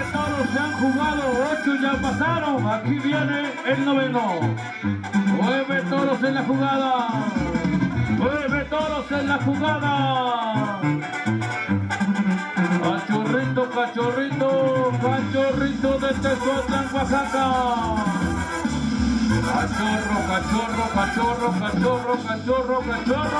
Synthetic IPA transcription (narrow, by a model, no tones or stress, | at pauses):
t̪oɾoseaŋxuɣaðoot͡ʃoʎapasaɾoŋakiβjene | elnoβeno | nweβet̪oɾoselaxuɣaða | nweβet̪oɾoselaxuɣaða | kat͡ʃorit̪okat͡ʃorit̪okat͡ʃorit̪oðet̪esot̪aŋkwasat̪a | kat͡ʃorokat͡ʃorokat͡ʃorokat͡ʃorokat͡ʃorokat͡ʃoro